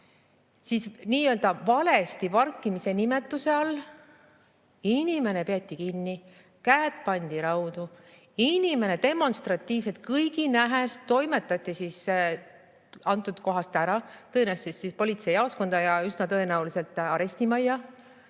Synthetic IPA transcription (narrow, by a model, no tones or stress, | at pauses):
sisniːø̞ld̪̥ɑvɑle̞st̪ipɑrkːˑimise̞nime̞t̪ːˑuse̞ɑlː | inʲime̞ne̞pe̞ɑt̪ʲːˑikinːi | kæːd̪̥̚pɑnʲd̪̥iɾɑwd̪̥u | inʲime̞ne̞d̪̥e̞mo̞nst̪rɑt̪ːˑiːvse̞t̪̚kɯjɡinæɦest̪ːo̞jme̞t̪ːˑɑt̪ːˑisis | ɑnt̪ːˑud̪̥ko̞ɦɑst̪æɾɑt̪ɤ̞enæst̪sisːispo̞lʲit̪se̞jɑosko̞nd̪̥ɑjɑysnɑt̪ɤ̞e̞næulise̞lt̪ˑɑɾe̞sʲt̪imɑjːɑ